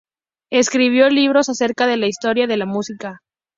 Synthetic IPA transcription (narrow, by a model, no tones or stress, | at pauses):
e̞skɾiβ̞jo̞liβ̞ɾo̞sase̞ɾkaðe̞laist̪o̞ɾjaðe̞lamusika